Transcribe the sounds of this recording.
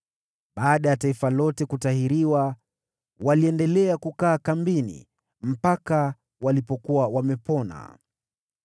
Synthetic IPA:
ɓaːɗajataifalɔtɛkutahiɾiwa | waliɛndɛlɛakukaːkambinḭ | m̩paka | walipɔkuwawamɛpɔna̰

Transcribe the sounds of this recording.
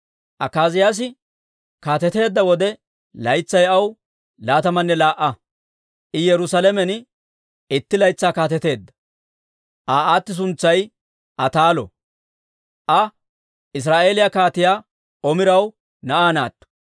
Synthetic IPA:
ʔɐkːaːzɪjaːs̬ɪ | kaːt̪ɛt̪e̞ːd̪ːɐwɔd̪ɛ | lɐjt͡sːɐjɐw | laːt̪ɐmɐnːɛlaːʔːɐ | ʔɪjɛɾʊsɐlɛmɛn | ɪt̪ːɪlɐjt͡sːaːkaːt̪ɛt̪e̞ːd̪ːɐ̥ | ʔaːaːt̪ːɪs̬ʊnt͡sːɐj | ʔɐt̪aːlɔ̰ | ʔɐ | ʔɪs̬ɾaːʔe̞ːlɪjakaːt̪ɪjaː | ɔmɪɾɐw | nɐʔaːna̰ːt̪ːɔ̥

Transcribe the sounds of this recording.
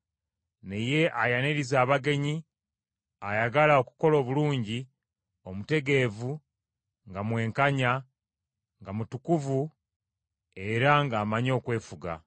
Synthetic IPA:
neje̞ʔajaneɾizaːβaɡe̞ɲi | ajaɡalao̞ku̥ko̞lo̞ːβuluːɲɟi | o̞mute̞ɡe̞vu | ŋɡamwe̞ːŋkaɲa | ŋɡamutukuvu | e̞ɾaŋɡaːmaɲo̞ːkwe̞ːfuɡa̰

